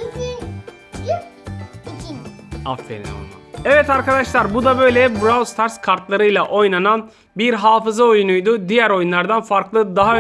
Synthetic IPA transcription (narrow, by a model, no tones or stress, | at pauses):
a̰ffḛlʲḛo̰nˠa̰ɛvɛt̪aɾkad̪aʃlˠaɾbud̪abø̞jlʲɛbɾavˠst̪ʰaɾskʰaɾt̪lˠaɾɯjlˠaʔo̞jnanan | biɾɦaːfɯzao̞junujd̪ʊd̪ijæɾo̞junlˠaɾd̪anfaɾklˠɯd̪aɦaø